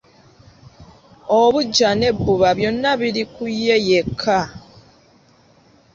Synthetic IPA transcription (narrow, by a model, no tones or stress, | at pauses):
oβuɟːane̞bːuβaβjo̞nːaβiɾikujːe̞jekʰːa